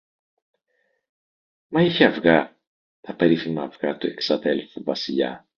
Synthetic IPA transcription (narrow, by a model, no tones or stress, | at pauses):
mɐiçeɐvɣɐ | t̪ɐpe̞ɾiθimɐːvɣɐt̪ue̞ksɐðe̞lθuvɐsiʎɐ̰